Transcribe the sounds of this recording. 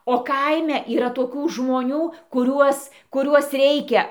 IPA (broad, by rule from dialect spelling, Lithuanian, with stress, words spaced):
oː ˈkɐɪmʲɛ iːˈrɐ toːˈkʲuː ʒmoːˈnʲuː kʊˈrʲuɔs kʊˈrʲuɔs ˈrʲɛɪkʲɛ